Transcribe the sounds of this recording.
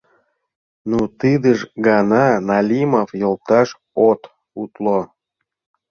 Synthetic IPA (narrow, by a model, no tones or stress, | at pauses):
nut̪ɨd̪əʃɡɑnɑnɑlʲimofjolˠt̪ɑʃ | ot̪ | ut̪lo